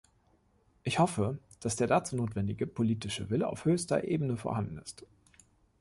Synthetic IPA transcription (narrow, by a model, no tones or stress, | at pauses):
ʔɪçhɔfəd̥asd̥eːɐdat͡suːnoːtv̥ɛndɪɡəpʰoliːtɪʃə̰vɪləʔa̰ʊfhøːçstɐ̰ʔḛːbənəfoːɐhandn̩ɪst